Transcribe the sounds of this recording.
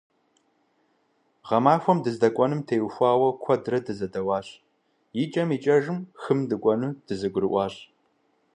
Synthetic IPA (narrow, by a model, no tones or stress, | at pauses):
ʁɐmaːxʷɔmdɨzdɐkʷʼɔnɨmtʰeːwxʷaːwɐkʷʰɔdrɐdɨzɐdɐwɑːɕʼ | jɪt͡ʃʼɐmiːt͡ʃʼɐʒɨmxɨmdɨkʷʼɔnuːd̥ɨzɨɡʷʊɾɨʔʷɑːɕʼ